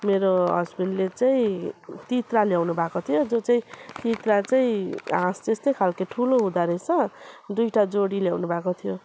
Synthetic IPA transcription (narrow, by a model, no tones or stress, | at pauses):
meɾoɦʌ̰d͡zbind̪let͡saĩt̪it̪raljawnubʱakot̪ʰijod͡zot͡saĩt̪it̪rat͡saĩãst̪est̪ejkʰalkeʈʰuloɦũd̪aɾet͡sʰʌd̪ujʈad͡zoɽiljawnubʱakot̪ʰijo